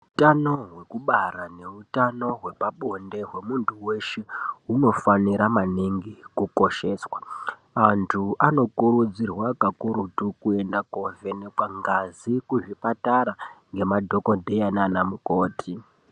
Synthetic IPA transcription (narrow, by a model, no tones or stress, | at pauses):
utano̞ɦwe̞kuɓaɾane̞utano̞ɦwe̞paɓo̞nde̞ɦwe̞muntʰuwe̞ʃeuno̞faniɾamaniŋɡikuko̞ʃe̞ːswa | antʰuano̞kuɾud͡zirwakakuɾutukue̞ndakove̞nekwaŋɡazikuʐipataɾaŋɡe̞madʱo̞ko̞dʱejananamuko̞ːtʰi